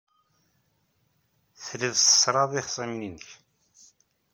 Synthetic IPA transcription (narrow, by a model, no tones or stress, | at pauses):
θliðˤsə̥sɾˤɑðˤiχsˤɑmninəç